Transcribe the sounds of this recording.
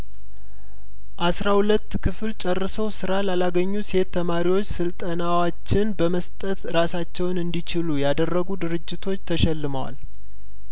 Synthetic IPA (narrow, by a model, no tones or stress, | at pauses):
ʔasɾahulət̪ːkʰɨfɨlt͡ʃʼɛrːɨsəwsɨɾalalaɡəɲːuse̞t̪ʰːəmaɾiwo̞t͡ʃːsɨlt̪ʼənawat͡ʃːɪnbəməst̪ʼət̪ɾasat͡ʃːɛwnɨnd̪it͡ʃɪlujad̪ərːəɡud̪ɨɾɨd͡ʒːɪt̪ʰo̞t͡ʃːt̪ʰəʃɛlːɨməwa̰l